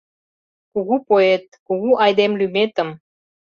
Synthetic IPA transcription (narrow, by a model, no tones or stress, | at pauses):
kuɣupoet̪̚kuɣuʔɑjd̪emlymet̪ə̆m